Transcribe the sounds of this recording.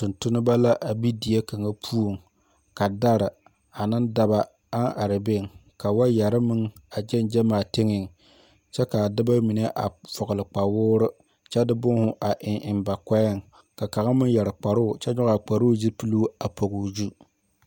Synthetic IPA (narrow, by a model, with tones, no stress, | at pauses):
tʊ˨ntʊ˦nɨ˦ba˦la˦ʔa˨bi˦di˨je˦ka˨ŋa˦pʰu˦o˨ŋ | ka˨da˦ɾɨ˨ | a˨nɨ˦nda˦ba˦ | a˦ŋʔa˨ɾɨ˨be˦˨ŋka˨wa˦ja˨ɾɨ˦mɨ˦ŋa˨d͡ʒɛ˦nd͡ʒɛ˦maː˨te˦ŋɪ˨ŋ | t͡ʃɛ˦ka˨dɨ˦ba˦mi˨ne˦ʔa̰˨fɔ˨ɣʊ˨lɨ˨k͡pa˨wʊː˦ɾɨ˦ | t͡ʃɛ˦dɨ˦bʊ˦ŋ˦hʊ˦ʔa˨ʔɪ˨ŋɪ˨mba˨ka˦jɪ˦˨ŋ | ka˨ka˨ɣa˦mɨ˦ŋjɛ˨ɾɨ˨k͡pa˨ɾʊ˦˨t͡ʃɛ˦ɲɔ˦ɣa˨k͡pa˨ɾʊː˦zi˦pɨ˦lu˦a˨po˨ɡʊ˨zu˦